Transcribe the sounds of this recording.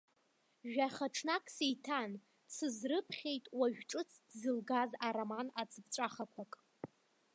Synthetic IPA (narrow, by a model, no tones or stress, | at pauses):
ʒᶣaχaʈ͡ʂʰnakʼsijtʰan | t͡sʰɨzrɨpʰχʲejtʼwaɥᶣʈ͡ʂʼɨt͡sʰdzɨlɡazaɾamanat͡sʰʼɨbt͡ʃʷʼaχakʷʰakʼ